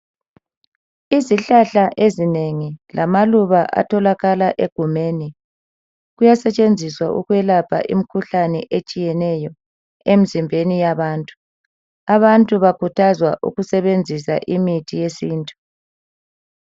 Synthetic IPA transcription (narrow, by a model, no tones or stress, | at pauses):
iziɬaɬaʔezineŋilʔamaluβaʔa̰tʰɔlaɣalaʔeɡ̥ʱumeːni | ɣujasɛt͡ʃʼend͡zʱiswaʔṵɣjɛlapʰa̰ʔḭmikʰuɬanɛʔet͡ʃʼijɛnɛjɔ | em̩zimbʱenijaβaːntʼu̥ | aβantʼuβakʰutʰazwa̰ʔṵɣusɛβend͡zʱisaʔimitʰijesiːntʼu̥